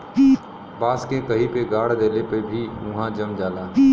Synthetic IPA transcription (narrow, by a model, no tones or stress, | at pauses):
baːskẽkɐɦipeɡaːɽ̤d̪eːlepebʱiʊ̃ɦãd͡ʒɐmd͡ʒaːlaː